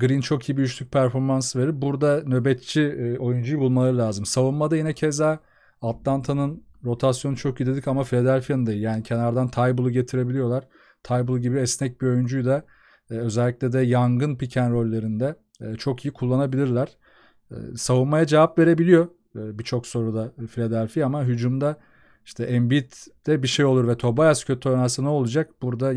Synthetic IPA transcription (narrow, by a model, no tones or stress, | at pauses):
ɡɯɾint͡ʃʰo̞kʰijibijyt͡ʃlʰʲyc̚pʰæɾfo̞ɾmansɯve̞ɾiɾbuɾd̪anø̞bɛt̪t͡ʃʰio̞jund͡ʒujbulˠmalˠaɾɯlʲaːzɯmsavunmad̪ajinɛcʰeza | at̪lˠant̪ʰanɯn | ɾo̞t̪ʰasjonut͡ʃʰo̞k̚ɟid̪ed̪icamafilʲad̪ælʲfijanɯnd̪ajijaːnicʰe̞naɾd̪ant̪ʰajbulˠuɟe̞t̪ʰiɾe̞bilʲijo̞lˠaɾ̥ | t̪ʰajbulˠuɟibiɛsnɛc̚bio̞jynd͡ʒyjd̪a | ø̞zɛlʲːiclʲɛd̪ɛjaŋɡɯnpicʰænɾo̞lʲːeɾind̪ɛ | t͡ʃʰo̞kʰijikʰulˠːanabilʲiɾlʲæɾ̥̰ | savunmajad͡ʒevapve̞ɾe̞bilʲijo̞ | bit͡ʃʰo̞kso̞ɾud̪afilʲed̪ælʲfijaamaɦyd͡ʒumd̪a | iʃt̪ʰɛʔɛmbit̪d̪̥ɛbiʃejo̞lˠuɾvɛt̪ʰo̞bajascʰøt̪ʰonasɯnɛo̞lˠud͡ʒak̚buɾd̪a